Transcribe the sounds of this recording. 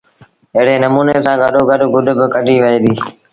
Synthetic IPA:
ɪɦɪɽeːnəmuːneːsãːɡʱəɗoːɡʱəɗɡʊɖ̪bɪkəɗiːʋəeːd̪iː

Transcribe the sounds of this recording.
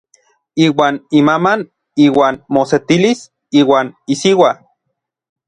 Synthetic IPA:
iːwaːnimaman | iːwaːnmoset̪ilis | iːwaːnisiwa

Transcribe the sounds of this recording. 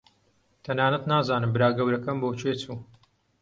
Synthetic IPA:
t̪ʰɐnaːnɐt̪naːzaːnɨmbɨɾaːɡɐwɾɐkɐmboːt͡ʃʰeːt͡suː

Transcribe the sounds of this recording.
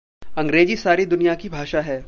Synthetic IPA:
ɐ̃ŋɡɾeːd͡ʒisaːɾid̪ʊnijakibʱaːʃaɦɛː

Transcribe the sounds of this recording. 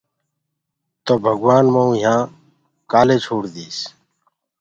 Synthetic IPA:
t̪oːbʱəɡwaːnmãũːɦãː | kaːleːt͡ʃʰoːɽd̪iːs

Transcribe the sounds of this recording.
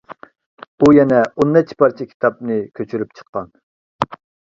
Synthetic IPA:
ujɛnɛonːɛt͡ʃʰːi̥pʰɑɾt͡ʃʰikʲʰi̥t̪ʰɑpnɨkʲʰøt͡ʃʰyɾypt͡ʃʰə̥qːɑn

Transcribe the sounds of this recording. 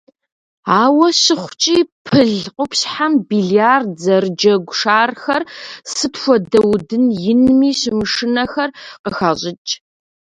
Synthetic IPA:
aːwɐɕɪχʷt͡ʃʼiːpʰɨɮqʷʼʊpsħambiːɮiarzɐrɨd͡ʒɐɡʷʂaːrxɐrsɨpxʷɔdɐwdɨnjɪnmiːɕɪmɨʂɨnɐxɐrqəxaːʑʼɪt͡ʃʼ

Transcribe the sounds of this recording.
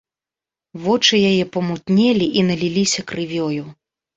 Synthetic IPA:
vɔt͡ʂɨjajɛpɐmut̪nʲɛlʲiʔinɐlʲilʲisʲɐkrɨvʲɔju

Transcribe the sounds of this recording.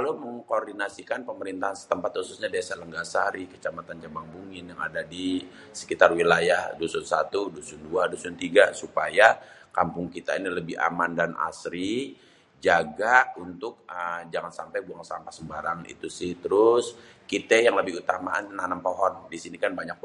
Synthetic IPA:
kaloməŋkordinasikanpəməɾint̪aɦansə̥t̪əmpat̪hususɲadesaləŋɡasaɾikə̥t͡ʃamat̪and͡ʒabaŋbuŋɪnjaŋa̰dadi | sə̥kit̪arwilajahdusʊnsat̪udusunduadusʊnt̪iɡasupajakampʊŋkit̪ainiləbɪha̰mandana̰sɾi | d͡ʒaɡaunt̪ʊk̚əd͡ʒaŋansampajbuaŋsampasəmbaɾaŋḭt̪usɪht̪əɾʊs | kit̪ɛjaŋləbɪhut̪amaannanampoɦɔndisinikanbaɲak̚

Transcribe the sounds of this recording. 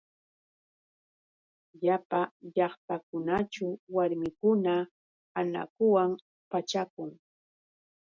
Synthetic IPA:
ʎapaʎɑχt̪akʊnat͡ʃʊwaɾmɪkʊna | ana̰kʊwam | pat͡ʃakʊŋ

